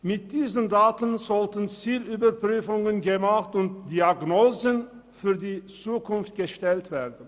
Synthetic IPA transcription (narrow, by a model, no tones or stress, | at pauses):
mɪt̚d̥iːzəndaːtən̩zɔltənt͡siːlyːbɐpʁ̥yːfʊŋənɡəmaχtʊnt̚d̥iaɡnoːzən | fyːɐdiːt͡suːkʰʊnft̚ɡ̥əʃtɛltv̥eːɐdən̩